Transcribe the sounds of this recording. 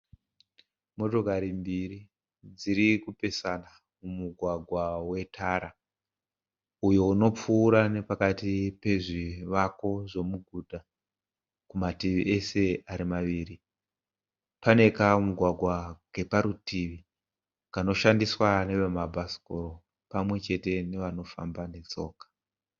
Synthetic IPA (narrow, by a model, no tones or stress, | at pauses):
mo̞to̞kaɾimbiɾi | d͡ziɾikupe̞sana | mumuɡʱwaɡʱwawe̞tʰaɾa | ujo̞uno̞p͡fuːɾane̞pakatipe̞ʐiʋako̞ʐo̞muɡʱudʱa | kumatiʋiʔe̞se̞aɾimaʋiːri | pane̞kamuɡʱwaɡʱwake̞paɾutiʋi | kano̞ʃandiswane̞ʋemabʱasi̥koɾo̞ | pamwe̞t͡ʃe̞te̞ne̞ʋano̞fambane̞t͡so̞̰ːkḁ